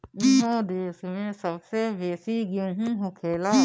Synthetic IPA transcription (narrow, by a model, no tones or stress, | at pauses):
iɦõːd̪eːsmẽːsəbseʋeːsiːɡjõːɦĩɦokʰeːlaː